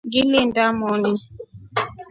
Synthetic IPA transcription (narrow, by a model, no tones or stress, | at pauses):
ɡilindamɔni